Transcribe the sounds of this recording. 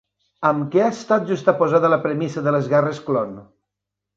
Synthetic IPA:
əmkeast̪at̪̚ʒust̪apozaðələpɾəmisəðələzɣɛrəsklon

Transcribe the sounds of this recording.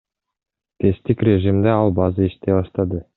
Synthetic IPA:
t̪ʰest̪ikrʲeʒimd̪eɑlˠbɑzɯiʃt̪eβɑʃt̪ɑd̪ɯ

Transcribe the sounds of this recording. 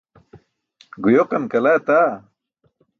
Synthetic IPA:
ɡujoqɐnkɐlat̪a

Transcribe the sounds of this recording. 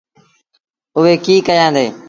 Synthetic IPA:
ʊɦeːkiːkəjãːnd̪ḛː

